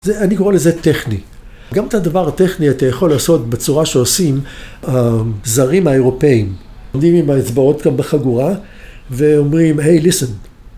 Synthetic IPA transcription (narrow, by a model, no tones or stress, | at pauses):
zeanikoʁelezeteχni | ɡametadavaʁateχniatajaχo̞lːaːso̞tbet͡suʁaʃeosimazaʁimaeʁo̞pe̞im | omdimimaet͡sbao̞t̪ɡambeχaɡuʁa | veomʁimɦejlisen